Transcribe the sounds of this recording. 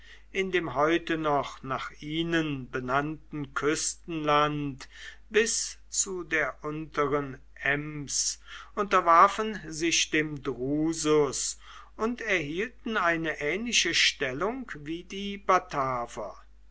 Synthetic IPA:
ʔɪndeːmɦɔʏtənɔχnaːχiːnənbənantn̩kʰʏstn̩lant | b̥ɪs | t͡sudeːɐʔʊntəʁən | ʔɛmsʔʊntɐvaɐfənzɪʃd̥eːmdʁuːzʊs | ʔʊntɛɐɦiːltn̩aɪnəʔɛːnlɪʃəʃtɛlʊŋkviːdiːbatʰaːvɐ̰

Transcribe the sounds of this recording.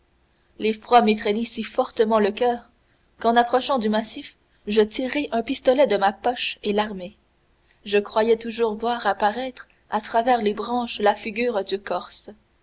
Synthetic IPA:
lefχwamet̪χɛnisifɔʁt̪əmɑ̃ləkʲœːʁ | kɑ̃napχɔʃɑ̃d̪ymasif | ʒət̪iʁeʔœ̃pist̪ɔlɛd̪əmapɔʃelaʁme | ʒəkχwajɛt̪uʒuːʁvwaːʁapaʁɛt̪χ | at̪χavɛːʁlebʁɑ̃ʃlafiɡʲyːʁd̪ykɔʁs

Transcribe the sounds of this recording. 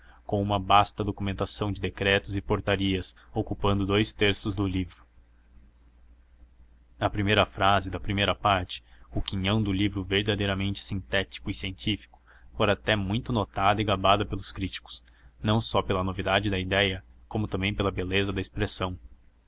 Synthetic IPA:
kõw̃ũmɐbast̪ɐd̪okumẽnt̪asɐ̃w̃d͡ʒɪd̪ekɾɛt̪ʊzɪpoɾt̪aɾiɐs | okupɐ̃nd̪ʊd̪ojst̪eɾsʊzd̪ʊlivɾʊ | ɐpɾimejɾɐfɾazɪd̪ɐpɾimejɾɐpaɾt͡ʃɪ̥ʊkĩɲɐ̃w̃d̪ʊlivɾʊveɾd̪ad̪ejɾɐmẽnt͡ʃɪ̥sĩt̪ɛt͡ʃi̥kʊisiẽnt͡ʃifi̥kʊ̥ | fojɾat̪ɛmũj̃t̪ʊnot̪ad̪ɐɪɡabad̪ɐpelʊskɾit͡ʃi̥kʊ̥s | nɐ̃w̃sɔpelɐnovid̪ad͡ʒɪd̪ɐid̪ɛjɐkõmʊt̪ɐ̃mbẽj̃pelɐbelezɐd̪ɐespɾesɐ̃w̃

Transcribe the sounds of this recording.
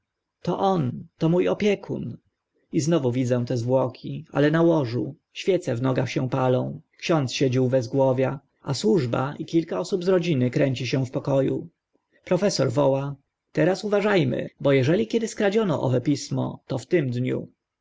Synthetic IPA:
t̪ɔʔɔnt̪ɔmujɔpʲjɛkʰṵn | iznɔvuvʲid̪d͡z̪ɛ̃t̪ɛzvwɔkʲʰia̰lɛnawɔʐu | ɕfʲjɛt̪sɛvnɔɡaxɕɛ̃palɔ̃w̃kɕɔnt̪sɕɛd͡ʑiwbɛzɡwɔvʲja | aswuʐba̰ʔikʲilkaɔsubzɾɔd͡ʑinɘkɾɛɲt͡ɕiɕɛw̃fpɔkɔjṵ | pɾɔfɛsɔɾvɔwa | t̪ɛɾasuvaʐajmɘ̰bɔjɛʐɛlʲikʲɛd̪ɘskɾad͡ʑɔnɔ̰ʔɔ̰vɛpʲismɔ̰t̪ɔft̪ɘmd̪ɲṵ

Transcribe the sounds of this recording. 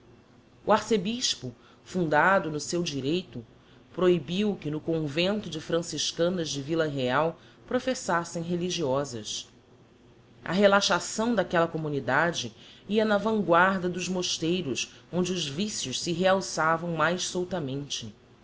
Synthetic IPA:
uaɾsebiʃpʊ | fũnd̪ad̪ʊnʊsewd͡ʒiɾejt̪ʊ | pɾoibiwkɪnʊkõvẽnt̪ʊd͡ʒɪfɾɐ̃siʃkɐ̃nɐzd͡ʒɪvilɐɦeaw | pɾofesasẽj̃ɦeliʒiɔzɐs | ɐ̰ɦelaʃasɐ̃w̃d̪akɛlɐkomunid̪ad͡ʒɪiɐnɐvɐ̃ŋɡwaɾd̪ɐd̪ʊzmoʃt̪ejɾʊsõnd͡ʒɪʊzvisjʊʃsɪɦeawsavɐ̃w̃majʃsowt̪ɐmẽnt͡ʃɪ

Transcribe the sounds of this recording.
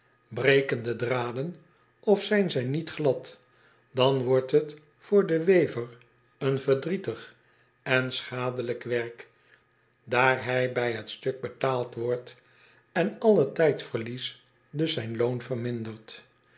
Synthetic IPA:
brejkəndədraːdən | ɔfsɛjnzɛjnitχlɑt | d̥ɑnʋɔɹtɦət | fʊːɹdəʋejvər | ənvəɹdritəχ | ɛnsχaːdələkʋɛɹk | daːɹɦɛjbɛjɦətstɵk̚bətaːlˠtʋɔɹt | ɛnɑlˠətɛjtfəɹlis | døsɛjnlownfərmɪndərt

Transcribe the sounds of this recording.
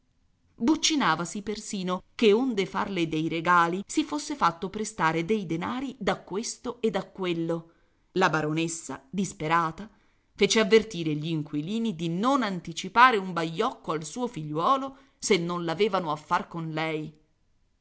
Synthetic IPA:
but͡ʃːinaːvasipersiːnokeond̪efa̰rled̪ejɾeɡaːlisifosːefat̪ːopɾest̪aːɾed̪ejd̪enaːɾid̪akːwest̪oed̪akːwelːo | labaɾonesːa̰d̪ispeɾaːt̪a | feːt͡ʃeavːert̪iːɾeʎiːŋkwiliːnid̪inonant̪it͡ʃipaːɾeumbaʎːɔkːoalsuːofiʎːwɔːlo | senːonlaveːvanoafːarkonlɛj

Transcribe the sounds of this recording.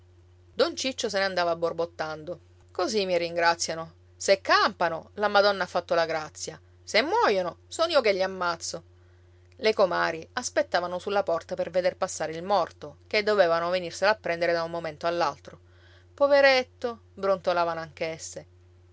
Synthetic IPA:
d̪ont͡ʃit͡ʃːos̬eneand̪aːvabːorbot̪ːand̪o | kozimːiriŋɡɾat̪sːjano | sekːampanolamad̪ɔnːaafːat̪ːolaɡɾat̪sːja | semːwɔjonosɔːniːokeʎːiamːat̪sːo | lekomaːɾiaspet̪ːaːvanosulːapɔrt̪aperved̪erpasːaːɾeilmɔrt̪oked̪ːoveːvanovenirselapːɾɛnd̪eɾed̪aummːoment̪oalːalt̪ɾo | poveɾet̪ːo | bɾont̪olaːvanoaŋk̟esːe

